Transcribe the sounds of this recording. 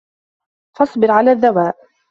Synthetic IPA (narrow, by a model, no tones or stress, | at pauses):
fɑsˤbɪɾʕalaːðːawaːʔ